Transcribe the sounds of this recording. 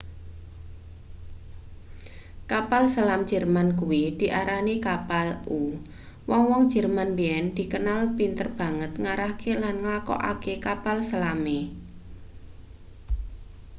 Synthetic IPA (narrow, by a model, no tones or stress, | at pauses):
kapalsalamd͡ʒ̥ə̤rmankuwid̪̥i̤ʔaɾanikapalu | wɔŋwɔŋ̥d͡ʒ̥ə̤rmanbeɛnd̪̥i̤kənalpint̪ərb̥a̤ŋət̪̚ŋaɾahkʰelanŋlakɔ̰ʔa̰kekapalsalame